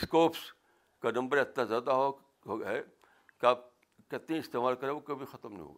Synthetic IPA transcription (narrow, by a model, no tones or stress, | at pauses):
skoːps | kanɐ̃mbəɾɐt̪nazjaːd̪aɦo | ɦoɡe | kaːp̚ | kɐt̪ẽɪst̪eːmaːlkɐɾeʋokɐbʱixɐt̪əmnɐ̰ḭɦo̰ːɡaː